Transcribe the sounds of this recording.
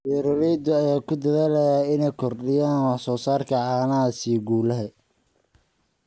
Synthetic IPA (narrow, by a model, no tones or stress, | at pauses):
bɛɾɔɾɛd̪ɔɐjaːkʰʊd̪ɐðaːlɐjaɪnɛjkʰɔrɗɪjaːnwɑħsɔːsaːrkʰɐʕɑːnɐɐsiːɡuːlɐɦɛ